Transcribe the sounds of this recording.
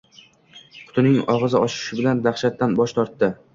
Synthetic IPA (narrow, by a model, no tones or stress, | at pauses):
qʰʊ̥t̪ʰɪnɪŋɒʁɨzɪɒʃɪ̥ʃɪbɪland̪aχʃat̪ːanbɒʃt̪ʰɒɾt̪ːɪ